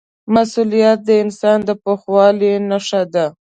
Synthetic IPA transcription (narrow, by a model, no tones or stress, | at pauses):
masulijat̪̚d̪əɪnsɑnd̪əpoxwɑlinaʂad̪a